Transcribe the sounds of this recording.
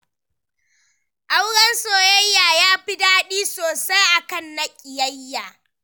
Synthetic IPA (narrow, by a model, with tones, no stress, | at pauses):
ʔa˦wɽɐ˦nsoː˨jɐ˦jːaː˨jaː˦ɸi˦daː˦ɗiː˦soː˨sa˦jʔa˨kɐ˦˨nːɐ˦kʲʼɪ˨jɐ˦jːaː˨